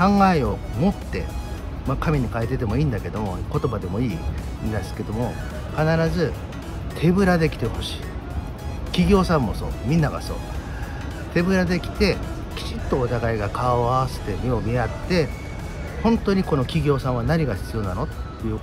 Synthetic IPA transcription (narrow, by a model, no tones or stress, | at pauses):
kãŋɡaeomo̞t̪ːe̞̰ | makamʲiɲ̟ikaet̪e̞t̪̬e̞mo̞iːnd̪ake̞d̪o̞mo̞ko̞t̪o̞bad̪e̞mo̞iː | nd̪aske̞d̪o̞mo̞ | kanaɾazɨ | t̪ʰe̞bɯ̟ɾad̪e̞kʲi̥t̪e̞ho̞ɕi̥ː | kʲiɡʲo̞ːsãmːo̞so̞ːmʲĩnːaɡa̰so̞̰ː | t̪e̞bɯ̟ɾad̪e̞kʲi̥t̪e̞ | kʲi̥t͡ɕit̪ːo̞ːt̪aɡaiɡakaβaβse̥t̪e̞mʲio̞mʲiat̪ːe̞ | hõ̞nt̪o̞ːɲ̟iko̞no̞kʲiɡʲo̞ːsãɰ̃βanaɲ̟iɡaçi̥t͡sɨjo̞nano̞t̪jɯ̟ː